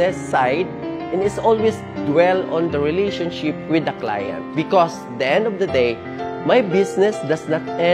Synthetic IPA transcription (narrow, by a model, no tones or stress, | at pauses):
ɛsːajd̪̚ʔɛ̃nɪsɔlwis | d̪wɛlɔ̃nd̪ɐɹɪlejʃɔ̃nʃɪp̚wɪd̪ɐkla̰jɐ̰̃nt̪̚bɪkɔs | d̪iʔɛ̃nd̪ɔvd̪ɐd̪ej | majbɪsnɛsd̪asnat̪̚ɛ̃